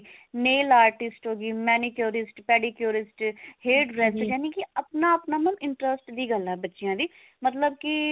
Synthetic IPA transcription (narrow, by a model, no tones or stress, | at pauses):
neːlaːɾʈɪsʈɦoːɡiːmɛːniːkjoːɾɪsʈpɛːɽiːkjoːɾɪsʈheːɖɾɛːsd͡ʒɛːnikiəpnaːəpnaːmənɪɳʈɾəsʈd̪iːɡəlɛːbətːʃɪjãːd̪iː | mət̪ləb̚kɪ